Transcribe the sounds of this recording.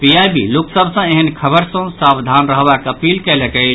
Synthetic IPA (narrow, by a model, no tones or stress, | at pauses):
pijajbḭloksəbʱsə̃eɦənkʰəbəɾsə̃sabd̪ʱanɾəɦbakəpilkɛləkəɪt͡ʃ